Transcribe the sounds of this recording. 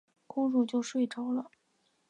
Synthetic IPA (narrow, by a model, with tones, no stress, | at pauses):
kʊ˥ŋɻu˥˧t͡ɕjo˥˧ʊʂwe˥˩ɪʈ͡ʂɑ˥ʊlə˨